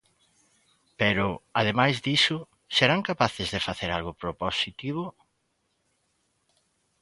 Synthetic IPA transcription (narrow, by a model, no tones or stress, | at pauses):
peɾʊaðemajzðisʊ | seɾaŋkapaθɪzðefaθeɾalɣʊpɾoposit̪iβ̞ʊ